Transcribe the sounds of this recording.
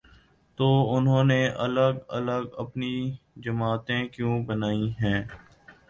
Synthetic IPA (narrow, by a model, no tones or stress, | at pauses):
t̪oːʊnɦõːneʔɐləɡə̰ləɡəpni | d͡ʒəmaːt̪ẽkjũːbənaːiɦɛ̃ː